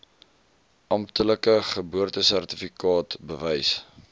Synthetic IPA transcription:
ʔɐmtələkəχəbuərtəsærtifikɑːtbəvɛjs

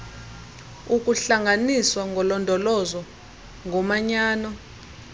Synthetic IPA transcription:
uk̬ʼuɬaŋɡaniswaŋʱɔlɔndʱɔlɔzɔ | ŋʱɔmaɲaːnɔ

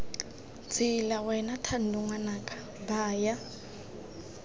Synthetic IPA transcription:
t͡sʰilawɛnatʰandʱuŋwanakʼḁ | baːja

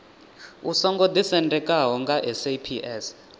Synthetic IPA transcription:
usɔŋɡɔd̪isɛndɛkʼaɦɔŋɡaʔɛsepʰiʔɛs

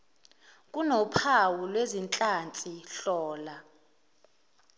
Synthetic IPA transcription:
kʼunɔpʰawulwezint͡ɬʼant͡sʼiɬɔːla

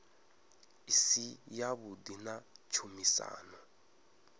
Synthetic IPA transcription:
isijaβudinat͡ʃʰumisa̰ːnɔ

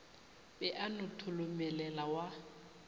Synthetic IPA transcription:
bɛʔanʊtʰʊlʊmɛlɛlawa

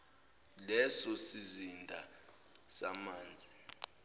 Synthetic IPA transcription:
lɛsɔsizindʱa | samaːnd͡zʱi

